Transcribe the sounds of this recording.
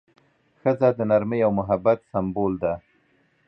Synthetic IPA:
xəzad̪ənaɾməjawmʊɦabat̪sambold̪a

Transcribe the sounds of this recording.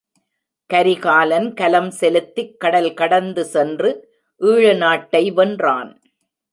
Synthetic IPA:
kɐɾɪɣaːlɐnkɐlɐmsɛlɯt̪ːɪkːɐɽɐlkɐɽɐnd̪ɯsɛndrɯ | ʔɯːɻɯnaːʈːɐɪʋɐndra̰ːn

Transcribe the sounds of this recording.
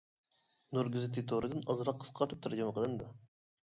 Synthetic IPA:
nuɾɡʲyzɨt̪ʰit̪ʰoɾɨd̪ɨnɑzɾɑqʰːə̥sqʰɑɾt̪ʰɨp̚t̪ʰɾd͡ʒiməqʰəlˠɨnd̪ɑ

